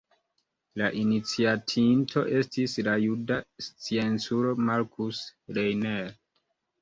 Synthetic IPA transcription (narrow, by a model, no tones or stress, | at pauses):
laʔinit͡siatʰintʰo̞ʔe̞stislajudast͡sie̞nsuɾo̞maɾkusɾejneɾ